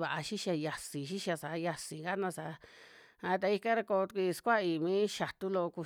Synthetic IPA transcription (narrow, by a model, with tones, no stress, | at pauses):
βa˨ʔa˧ʃi˦ʃa˧ja˨si˨ʃi˦ʃa˧sa˨˦ja˧si˨ŋɡa˦nã˧sa˨˦ | a˧t̪̬a˧i˧ka˦ɾa˧ko˧t̪kʷi˧skʷa˦i˧˨mĩː˦ʃa˨t̪u˦lo˧ku˧